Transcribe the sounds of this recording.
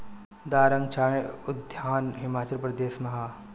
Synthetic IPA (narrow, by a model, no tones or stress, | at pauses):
d̪aːɾəŋɡt͡ʃʰaːẽʊd̪ʱjaːnɦɪmaːt͡ʃəlpɾɐd̪eːsmɐɦaː